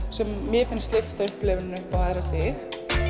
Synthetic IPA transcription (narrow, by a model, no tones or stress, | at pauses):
sɛmːjɛfɪnst̪lɪft̪aʏhplɪːvɪnʏpaːðɾat̪ɪx